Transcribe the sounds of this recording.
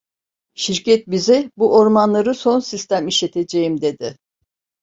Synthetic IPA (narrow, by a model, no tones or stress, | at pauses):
ʃiɾcɛt̪̚bizibuʔoɾmanlˠaɾɯso̞nsist̪ʰæmiʃlet̪ʰe̞d͡ʒejimd̪e̞d̪ɪ